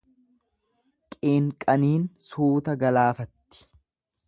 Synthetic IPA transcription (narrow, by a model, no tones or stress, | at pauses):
kʼeːŋkʼɐniːnsuːt̪ɐɡɐlaːfɐt̪ːɪ̥